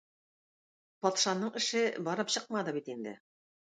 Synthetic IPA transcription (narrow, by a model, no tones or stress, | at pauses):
pɒt̪ʃɑnːɤɴɘ̆ʃɘbɒɾɤpɕɤq̚mɑd̪ɤbit̪ind̪ɘ̰